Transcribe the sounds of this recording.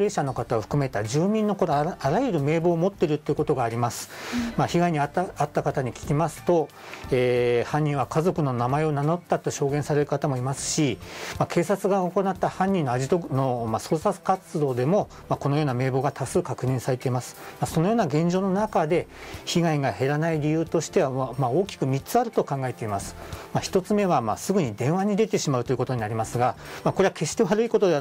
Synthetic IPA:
ɾe̞ːɕano̞kat̪ao̞ɸɯ̟̥kɯ̟me̞t̪ad͡ʑɨːmʲĩnːo̞koɾoaɾajɯ̟ɾɯ̟me̞ːbo̞ːmo̞t̪ːe̞ɾɯ̟t̪ːeiɯ̟ko̞t̪o̞ɡaːɾʲimasɨ̥maçiɡaiɲ̟iaat̪ːakat̪aɲ̟ikʲi̥kʲimasɨ̥t̪o̞ | eːhãɲ̟ːĩɰ̃βakazo̞kɯ̟no̞namae̞o̞nano̞t̪ːat̪ːo̞ɕo̞ːɡẽsaɾe̞ɾɯ̟kat̪amo̞imasɨ̥ɕimakʰe̞ːsat͡sɨɡaoko̞nat̪ːahãɲ̟ːĩnːo̞aʑit̪ono̞maso̞ːsasɨ̥kat͡sɨd̪o̞ːd̪e̞mo̞ | mako̞no̞jo̞ːname̞ːbo̞ːɡat̪asɨːkakɯ̟ɲ̟ĩɰ̃saɾe̞t̪e̞imasɨ̥maso̞no̞joːnaɡẽ̞ɲ̟d͡ʑo̞ːno̞nakad̪e̞çiɡaiɡahe̞ɾanaiɾʲijɯ̟ːt̪o̞ɕi̥t̪e̞βamao̞ːkʲi̥kɯ̟mʲitt͡sɨaɾɯ̟t̪o̞kãŋɡae̞t̪e̞imasɨ̥maçi̥t̪o̞t͡sɨme̞β̞ama̰sɨɡɯ̟ɲ̟id̪ẽ̞ɰ̃βaɲ̟id̪e̞t̪e̞ɕimaɯt̪oiɯ̟ko̞t̪o̞ɲ̟inaɾʲimasɨɡamakoɾe̞βake̞ɕi̥t̪e̞βaɾɯ̟iko̞t̪od̪e

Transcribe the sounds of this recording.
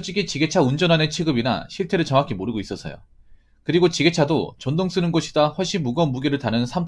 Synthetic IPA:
t͡ɕ͈iɡit͡ɕiɡe̞t͡ɕʰaund͡ʑʌnanet͡ɕʰiɡɯbina̰ɕʰiɭtʰe̞ɾɯɭʌŋakʰimoɾɯɡois͈ʌsʰʌ̰jo̰ | kɯɾiɡot͡ɕiɡe̞t͡ɕʰadot͡ɕʌndoŋs͈ɯnɯnɡʌɕʰi̥daɸwʌɭɕ͈inmuɡʌmuɡeɾɯɭtanɯnsʰamtʰ

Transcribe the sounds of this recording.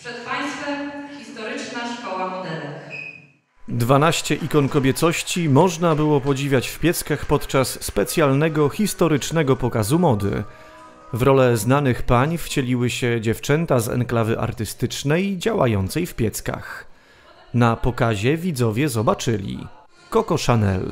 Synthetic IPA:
pʂɛt̪paj̃st̪fɛmxʲist̪ɔɾɘt͡ʂnaʂkɔwamɔd̪ɛlu | d̪vanaɕt͡ɕɛʔikɔnkɔbʲjɛt̪sɔɕt͡ɕimɔʐnabɘwɔpɔd͡ʑivʲjat͡ɕfpʲjɛt̪skaxpɔt̪t͡ʂasːpɛt̪sʲjalnɛɡɔxʲist̪ɔɾɘt͡ʂnɛɡɔpɔkazumɔd̪ɘ̰ | vɾɔlɛznanɘxpaɲft͡ɕɛlʲiwɘɕɛd͡ʑɛft͡ʂɛnt̪azɛ̰ŋklavɘʔa̰ɾt̪ɘst̪ɘt͡ʂnɛjd͡ʑawa̰jɔnt̪sɛjfpʲjɛt̪ska̰x | napɔkaʑɛvʲid̪zɔvʲjɛzɔbat͡ʂɘlʲḭ | kɔkɔʂanɛ̰l

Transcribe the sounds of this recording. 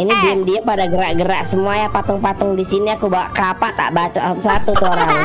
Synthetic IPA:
inidiəmdiapadaɡəɾaʔɡəɾaʔsəmuajapat̪ʊŋpat̪ʊŋdisiniakubawaʔkapat̪a̰ʔbat͡ʃuat̪usat̪ut̪ɔoɾaŋ

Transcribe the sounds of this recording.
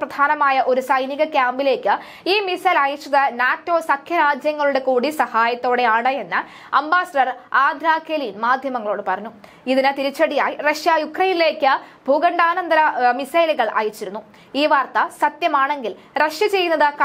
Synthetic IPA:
prɐd̪ʱaːnɐmaːjɐʔo̞ɾusɐjniɣɐkjaːmbile̞ːkʲːɨ | iːmisɐjlaːjit͡ɕːɐðɨnaːtːo̞ːsɐkʰjɐɾaːd͡ʑjɐŋːɐɭuɽe̞kuːɽisɐhaːjɐt̪ːo̞ːɽe̞aːɳɐenːɨ | ɐ̰mbaːsɐɖɐraːd̪ʱɾaːkeliːnmaːd̪ʱjɐmɐŋːɐɭo̞ːɽɨpɐrɐɲːu | iðinɨt̪iɾit͡ɕːɐɽijaːjirɐʂjɐjukrɐjnile̞ːkːɨbʱuɡɐɳɖaːnɐnd̪ɐɾɐmisɐjliɣɐɭʔa̰ːjit͡ɕːiɾunːu | iːʋaːrt̪ɐsɐt̪jɐmaːɳe̞ŋɡil | rɐʂjɐt͡ɕe̞jːunːɐðɨk

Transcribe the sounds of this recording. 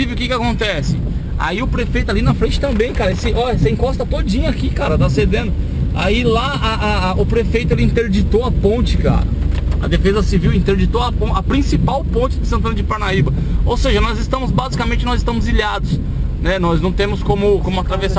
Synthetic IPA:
ivɪʊkɪkɪakõnt̪ɛsɪ̥ | a̰iʊpɾefejt̪ʊalinɐfɾẽnt͡ʃɪ̥t̪ɐ̃mbẽj̃kaɾɐesɪʔɔʎɐsɪĩkɔst̪ɐt̪od͡ʒĩɲɐakikaɾɐt̪ased̪ẽnd̪ʊa̰ila | aaʔʊpɾefejt̪ʊelɪĩnt̪eɾd͡ʒit̪oɐpõnt͡ʃɪka̰ɾɐ̰ɐ̰d̪efezɐsiviwẽnt̪eɾd͡ʒit̪oɐpõɐpɾĩsipawpõnt͡ʃɪd̪ɪsɐ̃nt̪ɐ̃nɐd͡ʒɪpaɾnaibɐowseʒɐnɔzɪst̪ɐ̃mʊzbazikɐmẽnt͡ʃɪnɔzɪst̪ɐ̃mʊziʎad̪ʊs | nɛnɔznɐ̃w̃t̪ẽmʊskõmʊkõmʊat̪ɾavesa

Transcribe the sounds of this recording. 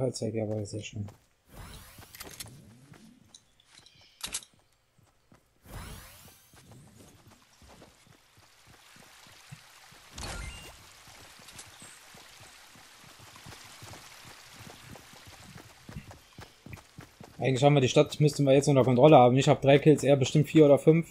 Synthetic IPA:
alt͡svaɪkjaːvaːiɐzeːɐʃlɪm | ʔaɪɡŋ̩tlɪçhaːmviɐdiːʃtatmʏstn̩viːɐjɛt͡stʊntɐkɔntʁ̥ɔləhaːbm̩ɪçhaːbəd̥ʁaɪkʰɪlt͡sʔeːɐbəʃtɪmtfiːɐoːdɐfʏnf

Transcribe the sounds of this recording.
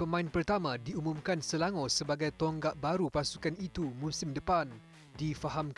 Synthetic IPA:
pəmãɪnpərt̪amãdiumũmkansəlaŋɔ̃səbaɡajt̪ɔŋɡaʔ̚baɾupasukanit̪umũsɪmdəpan | difaɦamk

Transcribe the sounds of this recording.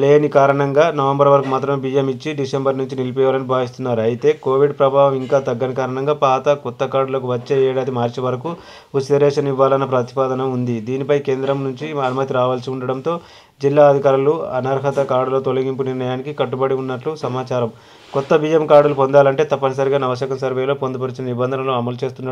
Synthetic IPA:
leːnikaːɾɐɳɐŋɡaːnɐʋembɐɾʋɐɾɐkumaːt̪ɾɐmbiːjemit͡ʃːiɖisembɐɾnuɲt͡ʃinilipɔjʋaːlɐnibʱaːʋist̪unːaːɾuɐjit̪e̞ːko̞ːʋiɖpɾɐbʱaːʋɐmiŋkaːt̪ɐɡːɐnikaːɾɐɳɐŋɡaːpaːt̪ɐkɔt̪ːɐkaːɾɖulɐkuʋɐt͡ʃːeːɛːɽaːd̪imaːɾt͡ʃiʋɐɾɐku | usɐɾɛːʂɐnɐiʋːaːlɐnɐpɾɐt̪i̥paːd̪ɐnɐund̪id̪iːnipɐjke̞ːnd̪ɾɐmnuɲt͡ʃiɐnumɐt̪iɾaːʋaːlsiuɳɖɐɽɐnt̪o̞ː | d͡ʒilːaːɐd̪ʱikaːɾluɐnɐɾɦɐt̪ɐkaːɾɽulo̞t̪olɐɡimpuniɾnɐjaːnikikɐʈːubɐɽiunːɐʈlusɐmaːt͡ʃaːɾɐm | kɔt̪ːɐbiːjemkaːɽulupond̪aːlɐɳʈe̞ːt̪ɐpːɐnɐs̬ɐɾiɡaːnɐʋɐʃ̬jɐkɐmsɐɾʋejlo̞ːpond̪ɐpɐɾit͡ʃinɐnibɐnd̪ʱɐnɐlo̞ːɐmɐlut͡ʃe̞ːst̪unːa

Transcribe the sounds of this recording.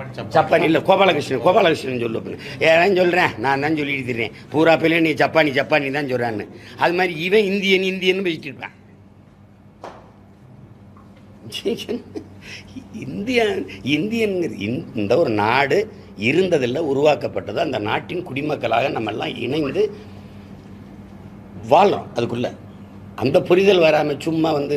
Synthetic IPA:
t͡ʃɐpːaːniɪlːɐkoːpaːlɐkɐʂnɐnkoːpaːlɐkɐɾʂnɐnːsɔlːɯʋɐpːinːɐeːɾaːnsɔlːɾẽːnãːnd̪aːnsɔlːɪɽɯt̪ːɪɾːḛ̃ːpuːɾaːpːeleniːɡɐt͡ʃɐpːaːnit͡ʃɐpːaːnit̪ãːnsɔlrẽːnːɯɐðɯmaːðɾiɪʋɐ̃ɪnd̪ɪjɐnɪnd̪ɪjɐnːɯpesɪʈːɯɾɯpːḛ̃ː | ɛn | ɪnd̪ɪjaːɪnd̪ɪjɐnɡɪ̰nnd̪ɐɔɾɯnaːɽɯ | ɪɾɯnd̪ɐðɯlːɐʊɾʊʋaːkɐpːɐʈːɐðɯɐnd̪ɐnaːʈːɪnkʊɽɪmɐkːɐɭa̰ːɣɐnɐmːɛ̰lːãːʔɪ̰ɳɐɪnd̪ɯ | ʋaːɭʊ̰̃ɐðɯkːɯɭːɐ̰ | ʔɐ̰nd̪ɐpʊɾɪðɐlʋɐɾaːmɐt͡ʃʊmːaʋɐnd̪ɯ

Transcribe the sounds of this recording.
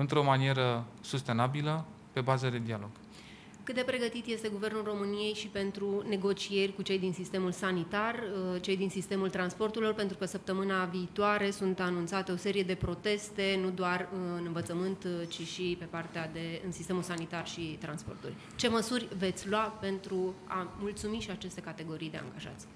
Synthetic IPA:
ɨnt̪ɾo̞manie̞ɾəsust̪e̞nabilə | pe̞bazəd̪e̞d̪ialo̞ɡ̥ | kɨt̪̚d̪e̞pɾe̞ɡət̪it̪je̞st̪e̞ɡuve̞rnulro̞mɨnije̞jʃipe̞nt̪ɾune̞ɡo̞t͡ʃije̞rʲkut͡ʃe̞jd̪insist̪e̞mulsanit̪art͡ʃe̞jd̪insist̪e̞mult̪ɾanspo̞rt̪uɾilo̞rpe̞nt̪ɾukəsəp̚t̪əmɨnaviːt̪oaɾe̞sunt̪anũnt̪sat̪e̞o̞se̞ɾije̞d̪e̞pɾo̞t̪e̞st̪e̞nud̪oarɨnɨnvət̪səmɨnt̪t͡ʃiʃipe̞part̪ead̪eɨnsist̪e̞mulsanit̪arʃit̪ɾanspo̞̰rt̪ṵlʲ | t͡ʃe̞məsurʲve̞t̪sʲlwape̞nt̪ɾuamult̪sumiʃiat͡ʃe̞st̪e̞kat̪e̞ɡo̞ɾijd̪e̞a̰ŋɡaʒa̰t̪sʲ

